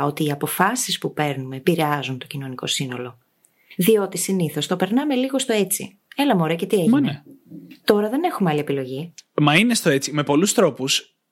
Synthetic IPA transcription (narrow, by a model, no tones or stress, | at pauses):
o̞t̪iːɐpo̞fɐsispupe̞ɾnume̞piɾeɐzunt̪o̞cino̞niko̞̰sino̞lo̞ | ðio̞t̪isiniθo̞st̪o̞pe̞ɾnɐme̞liɣo̞st̪o̞e̞t͡sḭ | e̞lɐmoɾece̞t̪ieʝneet̪o̞ɾɐðe̞ne̞xumeɐlie̞pilo̞ʝimɐinest̪o̞e̞t͡sime̞po̞lust̪ɾo̞pus